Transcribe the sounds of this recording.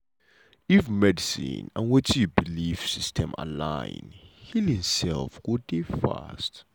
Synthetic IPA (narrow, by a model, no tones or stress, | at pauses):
ifmɛdisḭ̃nã̰nwɛtʰijubilifsistʰɛ̰̃ma̰la̰ɪnhilhĩmsɛlfɡ̥ɔdefa̰st